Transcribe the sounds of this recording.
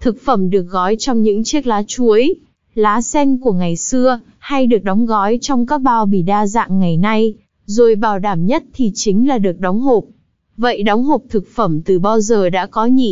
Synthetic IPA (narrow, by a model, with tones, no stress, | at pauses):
t̪ʰɨ˨˩k̚fə˧˩mɗɨ˨˩ək̚ɣɔ˨˦jt͡ɕɔ˧wŋ͡mɲɨ̰˧˥ŋt͡ɕi˦˥ək̚laː˨˦t͡ɕu˨˦əj | laː˨˦sɛ˧ŋku˧˩əŋa˨˩jsɨ˧ə | ha˧jɗɨ˨˩ək̚ɗɔ˨˦wŋ͡mɣɔ˨˦jt͡ɕɔ˧wŋ͡mkaː˦˥k̚ɓaː˧˩wɓḭ˧˨ɗaː˧za̰ː˧˨ŋːa˨˩jna˧j | zo˨˩jɓaː˧˩wɗaː˧˩mɲə˦˥t̚t̪ʰi˨˩t͡ɕï˨˦ŋ̟laː˨˩ɗɨ˨˩ək̚ɗɔ˨˦wŋ͡mɦo˨˩p̚ | və̰˧˨jɗɔ˨˦wŋ͡mɦo˨˩p̚t̪ʰɨ˨˩k̚fə˧˩mt̪ɨ˨˩ɓaː˧wzəː˨˩ɗa̰ː˧˥kɔ˨˦ɲḭ˧˨